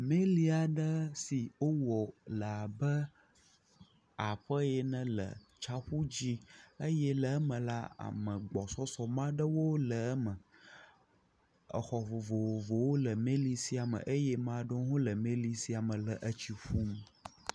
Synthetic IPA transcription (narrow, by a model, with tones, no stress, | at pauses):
mẽ˦li˦a˨ɖə˦si˨wo˦wɔ˨la˨bə˦ | a˨ɸə˦jɛ˦nə̃˦lə̰˨ | t͡ʃa˦ɸu˦d͡ʑi˦ə˦jɛ˦lə˨ə˦mə̃˨la˦a̰˨mə̃˨ɡ͡bɔ˨sɔ˦sɔ˨mã˦ɖə˦wo˦lə˨˦mə̃˨ | ə̰˨xɔ˨vo˨vo˨wo˨vo˨wo˦lə˨mẽ˦li˦si˦a˨mə̰̃˨ʔə˦jɛ˦mã˨ɖo˦ɦõ˦lə˨mẽ˦li˦si˨˦a˨mə̃˨lə˨ʔə˦t͡ɕi˨ɸu˦m